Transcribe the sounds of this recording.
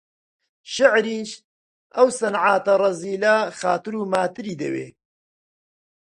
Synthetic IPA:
ʃɪʕɾiːʃ | ʔɐwsɐnʕaːt̪ɐrˤɐziːlaxaːt̪ɨɾuːmaːt̪ɨɾiːd̪ɐ̰wḛː

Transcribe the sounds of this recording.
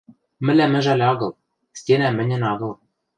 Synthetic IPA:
mɘ̆lʲæmɘ̆ʒælʲɑɡɤ̆lˠ | stʲenæmɘ̆nʲɘ̆nɑɣɤ̆lˠ

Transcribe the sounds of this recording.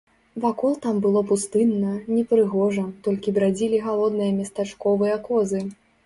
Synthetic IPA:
vakɔlˠt̪ambɨlˠɔpust̪ɨnːɐnʲɛpɾɨɣɔʐɐt̪ɔlʲkʲibɾad͡zʲilʲiɣalˠɔd̪nɨjɐmʲɐst̪at͡ʂkɔvɨjɐkɔzɨ

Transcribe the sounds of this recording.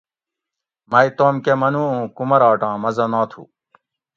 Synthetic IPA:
mɐjt̪oːmkemɐnuũːkumɐɾaːʈãːmɐzɐnãːt̪ʰṵː

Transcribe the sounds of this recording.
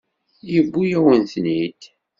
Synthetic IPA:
jəbːujæwənθnid̪

